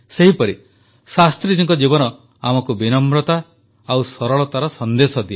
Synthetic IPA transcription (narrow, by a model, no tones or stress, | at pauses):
seɦipɔɾi | sast̪ɾid͡ʒiŋkɔd͡ʒibɔnɔ | amɔkubinɔmɾɔt̪a | awsɔɾɔɭɔt̪aɾɔsɔnd̪esɔd̪ie